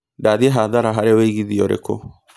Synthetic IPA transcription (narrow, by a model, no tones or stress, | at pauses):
daðiɦaðaɾaɦaɾeweiɣiðiɔɾḛko̰